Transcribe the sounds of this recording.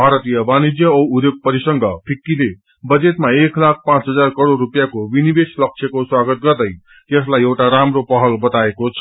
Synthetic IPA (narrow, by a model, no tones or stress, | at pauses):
bʱaɾʌt̪ijʌbanid͡zjʌud̪joɡ̚pʌɾisʌŋɡʌpʰikːile | bʌd͡zet̪maeklak̚ʰpãt͡sɦʌd͡zarkʌɾorːupjakobinibeslʌk̚t͡sʰjekoswaɡʌt̪̚ɡʌrd̪ʌj | jʌslajewʈaɾamropʌɦʌlbʌt̪aekot͡sʰʌ